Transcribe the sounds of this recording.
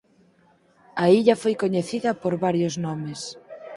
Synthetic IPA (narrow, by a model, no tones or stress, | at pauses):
ɐiʎɐfojkoɲeθiðɐpoɾβaɾjoznɔmes